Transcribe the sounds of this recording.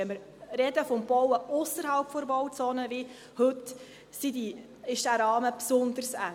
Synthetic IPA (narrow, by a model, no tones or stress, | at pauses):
ɛməɾ | ɾɛd̪əfɔmb̥ɔwəʊsəɾɦɑlpfɔɾbɔwt͡sɔːnəʋi | hɵt | sidi | ɪʃd̥æɾɑːməpsʊnd̪əɾsæ